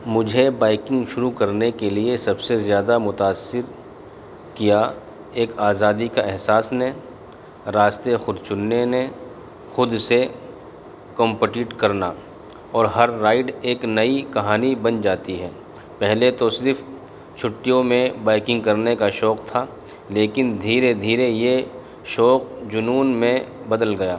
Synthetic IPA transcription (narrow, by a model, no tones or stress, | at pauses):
mʊd͡ʒʱebaːɪkɪ̃ŋɡʃʊɾukɐɾnekeliesɐbsezjaːd̪amʊt̪aːsːɪɾ | kija | eːkaːzaːd̪ikaɛɦsaːsne | ɾaːst̪exʊd̪t͡ʃʊnːene | xʊd̪se | kɔ̃mpəʈɪʈkɐɾna | ɔːɾɦɐɾːaːɪɖeːknɐikɐɦaːnibɐnd͡ʒaːt̪iɦɛː | pɛɦlet̪osɪɾɪf | t͡ʃʰʊʈːijõmẽbaːɪkɪ̃ŋɡ̚kɐɾnekaʃɔːkt̪ʰa | leːkɪnd̪ʱiːɾed̪ʱiːɾeje | ʃɔːk̚d͡ʒʊnuːnmẽbɐd̪əlɡɐjaː